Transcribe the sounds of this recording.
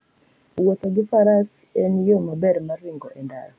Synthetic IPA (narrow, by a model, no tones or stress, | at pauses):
wot̪oɡɪfaɾas | ɛnjomabɛɾmaɾɪŋɡɔʔɛnda̰ɾ